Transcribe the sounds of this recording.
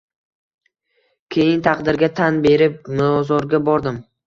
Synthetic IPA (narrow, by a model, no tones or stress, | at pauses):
kʲʰe̞jɪnt̪ʰɑqd̪ɪɾɡʲat̪ʰanbe̞ɾɪp̚mɪɒzɒɾɡʲabɒɾd̪ɪm